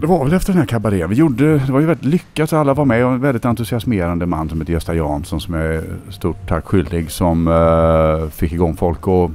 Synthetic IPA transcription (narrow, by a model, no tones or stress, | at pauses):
d̪ɛvaɾvɛlɛft̪əɖɛnæɾkʰabaɾeːnvɪjuɖːəd̪ɛvaɾjʏvɛlɪt̪lʏkːat̪aalːavaɾmɛɔɛnvɛlɪt̪ant̪ɵsɪasmeːɾand̪əma̰nːsɔmheːt̪əjɛst̪ajɑːnsɔnsɔmjast̪uːʈʰːakːɧʏld̪ɪɡsɔm | fɪkːɪɡɔŋːfɔlkɔ